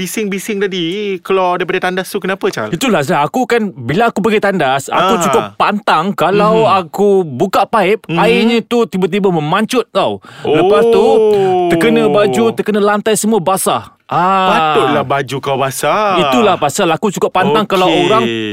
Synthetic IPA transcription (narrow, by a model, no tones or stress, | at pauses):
bisɪŋbisɪŋt̪adikəlawdajpadat̪andast̪ukənapət͡ʃa̰lit̪ulahs̬aakukanbilaːkupəɡit̪andasa̰kut͡ʃukʊpːant̪aŋkalawakubukaʔpaɪp̚aɪɲə̃t̪ut̪ibat̪̬ibaməmãɲt͡ʃʊt̪̚kawləpast̪ut̪əkənə̃bad͡ʒut̪əkənə̃lant̪ajsəmuabasa | ʔabat̪ʊlahbad͡ʒukawbasaiulahbasalakut͡ʃukʊpːant̪aŋkalawoɾaŋ